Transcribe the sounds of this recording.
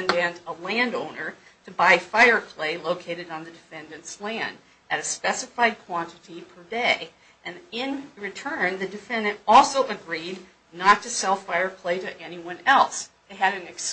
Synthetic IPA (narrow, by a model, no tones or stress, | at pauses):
ndɨ̃ntəlæ̃ndõʊ̃nə˞ | ɾɨbaɪfaɪə˞pʰl̥eɪloʊkʰeɪɾɨɾn̩ðɨdɨfɛ̃ndɨ̃nslæ̃nd | ʔɨɾɨspɛsɨfaɪd̚kʰw̥ɑ̃ntɨɾipʰə˞deɪ | ʔɨ̃nɪ̃nɹɨtʰɜ̃˞nðɨdɨfɛ̃ndɨ̃ntɔlˠsoʊʔɨɡɹidⁿ | nətʰɨsɛlˠfaɪə˞pʰl̥eɪɾɨʔɛniwʌ̃nɛlˠs | eɪɨɾɨ̃nɨks